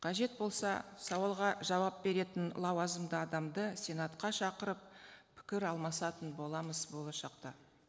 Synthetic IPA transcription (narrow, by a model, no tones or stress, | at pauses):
qʰɑʒe̞t̪̚bo̞lˠsɑ̰sɑwɑlˠʁɑʒɑwɑp̚be̞ɾe̞t̪ɪnlˠɑwɑzəmd̪əɑd̪ɑmd̪əsʲe̞nɑt̪qɑʃɑqəɾəppʰɪ̥kʲɪɾɑlˠmɑsɑt̪ənbo̞lˠɑməzbo̞lˠɑʃɑqt̪ɑ